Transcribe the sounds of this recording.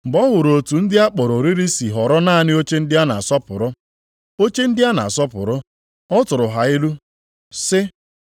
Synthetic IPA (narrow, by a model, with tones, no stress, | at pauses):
m̩˨ɡ͡bɔ˦ɦʊ˨ɾo˨tu˨n̩˦dɪ˦a˦k͡pɔ˨ɾo˨ɾi˦ɾi˦si˨ɦɔ˨ɾɔ˦naː˦a˨nɪ˦o˦t͡ʃe˦n̩˦dɪ˦a˦na˨a˨sɔ˦pʊ̰˨ɾʊ˦ | o˦t͡ʃe˦n̩˦dɪ˦a˦na̰˨a˨sɔ˦pʊ̰˨ɾʊ˦ | ɔ˦tʊ˨ɾʊ˨ɦa˨ɪ˦lu˦ | sɪ˦